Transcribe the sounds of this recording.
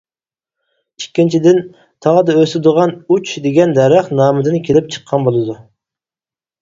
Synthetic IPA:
ikʲːint͡ʃʰid̪ɪn | t̪ʰɑʁəd̪ɑøsɪd̪ʊʁɑnut͡ʃd̪eɡʲɛnd̪ɛɾæχnɑːmɨd̪ɪnkʲʰelɪp̚t͡ʃʰə̥qʰːɑnbolˠɨd̪u

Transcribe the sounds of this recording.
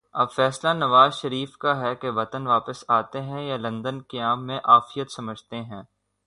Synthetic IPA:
ɐbfɛːslanɐʋaːzʃɐɾiːfkaɦɛkeʋɐt̪ənʋaːpəsaːt̪eɦɛ̃jalɐ̃nd̪ənkɐjaːmːẽʔaːfijət̪sɐməd͡ʒʱt̪eɦɛ̃ː

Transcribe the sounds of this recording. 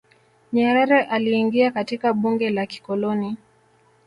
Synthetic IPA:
ɲaɾɛɾɛʔaliːŋɡiakatikaɓuŋɡɛlaki̥kɔlɔni

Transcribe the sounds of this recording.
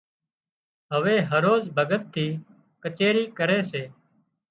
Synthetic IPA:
ɦəʋeːɦəɾoːzbʱəɡət̪ʰːiː | kət͡ʃeːɾiːkəɾeːseː

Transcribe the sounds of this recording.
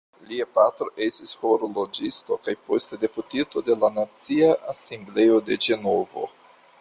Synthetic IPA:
liapatɾo̞ʔe̞stisho̞ɾolo̞d͡ʒisto̞kajpo̞stede̞putito̞de̞lanat͡siaʔase̞mble̞jo̞de̞d͡ʒe̞no̞vo̞̰

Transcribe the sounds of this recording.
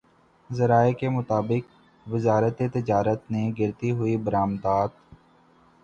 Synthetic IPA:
zəɾaːekemʊt̪aːbɪk | ʋɪzaːɾət̪et̪ɪd͡ʒaːɾət̪neɡɪɾt̪iɦʊibəɾaːmd̪aːt̪

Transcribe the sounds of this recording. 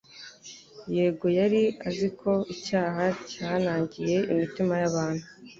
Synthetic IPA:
je̞ːɡo̞jaɾiazikʰo̞icaːɦacaːnaːɲɟije̞imitimajaβaːn̥hu

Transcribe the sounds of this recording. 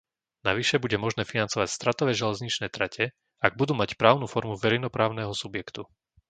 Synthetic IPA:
naʋiʃɛbuɟɛmɔʒnɛːfinant͡sɔʋacst̪ɾat̪ɔʋɛːʒɛlɛzɲit͡ʃnɛːt̪ɾacʰɛ | aɡ̚bud̪uːmacpɾaːʊnuːfɔɾmuʋɛɾɛjnɔpɾaːʊnɛɦɔsubjɛkt̪u

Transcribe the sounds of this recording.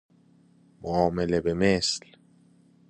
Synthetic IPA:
moɒːmele̞bemesl

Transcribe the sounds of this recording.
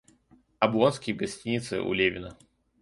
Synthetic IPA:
ɐbˠonskʲɪjɡɐsʲtʲinʲɪt̪sɨ̰ʔṵlʲevʲɪnə

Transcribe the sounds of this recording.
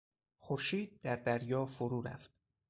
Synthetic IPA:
xoɾʃiːd̪̚d̪æɾd̪æɾjɒːfoɾuːɾæ̰ft̪

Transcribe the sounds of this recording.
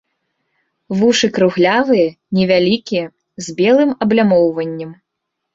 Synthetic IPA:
vuʂɨkɾuɣlʲavɨjɐ | nʲɛvʲalʲikʲijɐ | zʲbʲɛlˠɨmɐblʲamɔwvɐnʲːɐm

